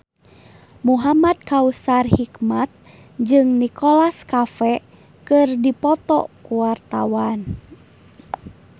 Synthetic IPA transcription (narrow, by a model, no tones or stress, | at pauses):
muɦamad̪̚kausarhikmat̪̚ | d͡ʒɨŋnikɔlaskafɛ | kɨrdipɔt̪ɔ̰kuwart̪awan